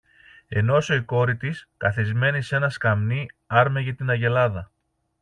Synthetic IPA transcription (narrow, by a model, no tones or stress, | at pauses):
e̞no̞so̞iko̞ɾit̪iskɐθizme̞nise̞nɐskɐmniɐɾmeʝɐt̪inɐʝe̞lɐðɐ